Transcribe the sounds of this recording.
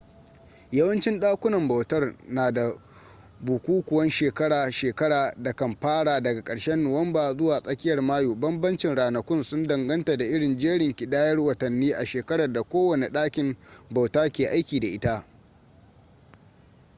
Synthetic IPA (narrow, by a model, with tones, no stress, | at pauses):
jɐ˦wɐ˦nt͡ʃɪ˦nɗaː˦kʷʊ˦nɐ˨mba˨wtɐ˦rnaː˨da˨ | bu˨kʷuː˦kʷʊ˨wɐ˦nʃeː˨kɐ˦ɽaː˨ʃeː˨kɐ˦ɽaː˨da˨kɐ˨mɸaː˦ɽaː˨dɐ˨ɡa˨kʼɐ˨ɽʃɛ˦nːʊ˨wɐ˦mbaː˨zʊ˦waː˨sʼɐ˦kʲɪ˦jɐ˨rmaː˦juː˨bɐ˦mbɐ˦nt͡ʃɪ˨nɽaː˨nɐ˨kʷʊ˦nsʊ˦ndɐ˨ŋɡɐ˦nta˨da˨ʔɪ˦ɽɪ˨nd͡ʒeː˦ɽɪ˨ŋkʲi˨daː˦jɐ˦rwɐ˨tɐ˨nːiː˦ʔa˨ʃeː˨kɐ˦ɽɐ˨da˨kʷoː˦wɐ˨ne˨ɗaː˦kʲɪ˨mba˨wtaː˦kʲeː˨ʔa˦jkʲiː˨da˨ʔɪ˦ta˦ʔ